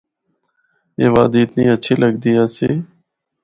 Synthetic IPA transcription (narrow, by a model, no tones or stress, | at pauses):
ḛːʋaːd̪eːɪt̪niːətːʃʰeːləɡd̪ɪjaːseː